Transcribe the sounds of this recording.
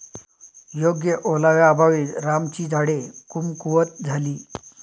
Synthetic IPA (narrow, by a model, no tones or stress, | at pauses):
joɡjəʔolaʋjaːbʱaʋiːt̪ɾamt͡ɕiːd͡zʱaɽekumkuʋət̪̚d͡zʱaliː